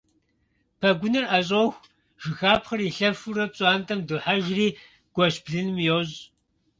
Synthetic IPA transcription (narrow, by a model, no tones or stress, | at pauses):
pʰɐɡʷʊnɨraɕ̬ʼoxʷ | ʒ̥ɪxaːpχɐriɬɐfuɾɐpɕʼaːntʰɐmduħaʒriː | ɡ̥ʷɔɕbɮɨnɨmjɛwʑ